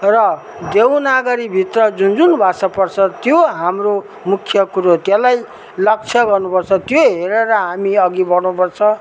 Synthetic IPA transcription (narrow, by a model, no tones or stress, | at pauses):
rʌ | d̪ewnaɡʌɾibʱit̪rʌd͡zund͡zunbʱasʌpʌrt͡sʰʌt̪joɦamro | mukʰjʌkuɾot̪jelaj | lʌk̚t͡sʰʌɡʌrnupʌrt͡sʰʌt̪joɦeɾeɾʌɦamiʌɡibʌrnupʌrt͡sʰʌ